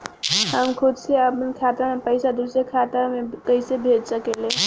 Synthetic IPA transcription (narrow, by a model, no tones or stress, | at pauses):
həmkʰud̪sʰeəpənkʰat̪amepəɪsad̪usekʰat̪amekəɦɪsebʱeɖsəkele